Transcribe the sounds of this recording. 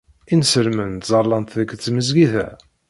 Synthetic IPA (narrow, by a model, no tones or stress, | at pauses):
insəlmənt̪zɑɾˤlɑnt̪ðəkːt͡sːməzɡiθæ̰